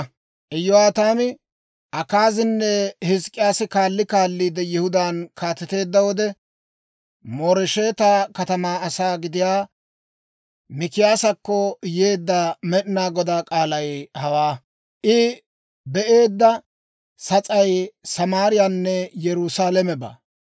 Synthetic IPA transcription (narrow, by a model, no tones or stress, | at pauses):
ʔɛjɔaːt̪aːmɪ | ʔɐkaːzɪnːɛhɪskʼːɪjaːsɪkaːlːɪkaːlːiːd̪ɛjɪhʊd̪aːnkʰaːt̪ɛt̪e̞ːd̪ːɐwɔd̪ɛ | moːɾɛʃe̞ːt̪akɐt̪ɐmaːɐsaːɡɪd̪ɪjaː | mɪkɪjaːsɐkːɔjeːd̪ːɐmɛɗɪnaːɡɔd̪aːkʼaːlɐjhɐwaː | ʔɪ | bɛʔe̞ːd̪ːɐ | sɐt͡sʼɐjsɐmaːɾɪjanːɛjɛɾʊsaːlɛmɛba̰ː